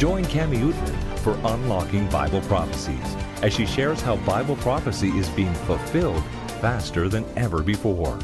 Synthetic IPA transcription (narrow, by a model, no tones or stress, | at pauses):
d̥ʒ̥ɔ̃ɪ̃nkʰæmiutɹɨ̰̃nfə˞ʔə̃nlɑkɪ̃ŋba̰ɪbl̩ˠpʰɹ̥ɑfəsḭz̥ɨz̥ʃiʃɛɹz̥haʊbaɪbl̩ˠpʰɹ̥ɑfəsiʔɪzbiɪ̃ŋfəl̩ˠfɪlˠd̥ | fæstə˞ðɨ̃nɛvə˞bɨfɔɹ